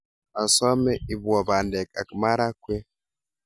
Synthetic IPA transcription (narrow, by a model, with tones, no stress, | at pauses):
a˨sɔ˦mɛ˦i˨bɔ˨ba˨ndɛ˨ka˨kma˦ɾa˦kʷwe˦